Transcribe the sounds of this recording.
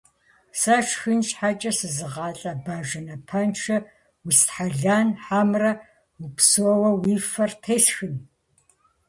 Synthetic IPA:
saʂxɨnɕʼħat͡ʃʼɐsɨzɨʁɑːɬʼɐbaːʒɐnɐpʰɐnʈ͡ʂʰɐ | wistħaɮaːnħamrɐ | wupsoɔwɐwiːfɐrtʰeːsxɨn

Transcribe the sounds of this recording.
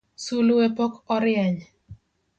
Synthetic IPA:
suluepokɔɾɪjɛɲ

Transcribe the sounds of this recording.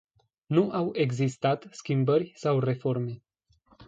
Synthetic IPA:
nuʔawe̞ɡzist̪at̪skʲimbəɾʲsawre̞fo̞rme̞

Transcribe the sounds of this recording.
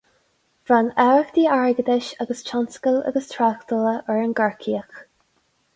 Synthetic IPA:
v̥ɹanɛɹəxd̪iːaɹɡəd̪ɪʃaɡəst͡ʃʰanskəla̰ɡəst̪ʰɹakt̪ələʔɛɹənɡəɹkʰiːəx

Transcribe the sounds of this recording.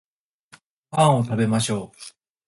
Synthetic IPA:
pãɰ̃ot̪abe̞maɕo̞ː

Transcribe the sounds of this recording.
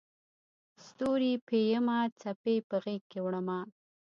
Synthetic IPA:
st̪oɾipejəmat͡sapepəɣek̚kːewɽəma

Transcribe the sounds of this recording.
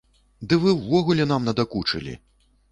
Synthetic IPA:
d̪ɨvɨwːɔɣulʲɛnamnɐd̪akut͡ʂɨ̰lʲḭ

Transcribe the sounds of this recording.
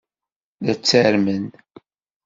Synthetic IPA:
ðæt͡sːəɾmən

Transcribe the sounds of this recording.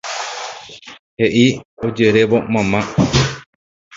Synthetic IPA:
heʔiod͡ʒeɾeʋomãmã

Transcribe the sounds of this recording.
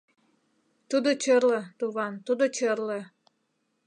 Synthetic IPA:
t̪ud̪ot͡ɕərlət̪uβɑnt̪ud̪ot͡ɕərlə

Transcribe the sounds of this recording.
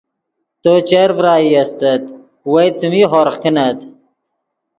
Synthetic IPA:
t̪ot͡ɕeɾvɾaːiɐst̪ɐt̪ | wɐjt͡simiɦoɾqinɐt̪

